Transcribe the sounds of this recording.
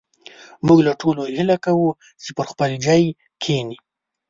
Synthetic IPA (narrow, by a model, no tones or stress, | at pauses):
muɡlaʈolohilakawu | t͡ʃepəɾxpəld͡ʒɑj | kʰeni